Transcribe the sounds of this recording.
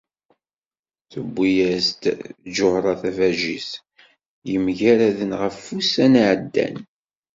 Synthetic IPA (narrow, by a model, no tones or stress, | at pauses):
θəbːijæst̪d͡ʒʊhɾˤɑθævæʒis | jəmʝæɾæðənʁəfːusænaʕəd̪ːæ̰n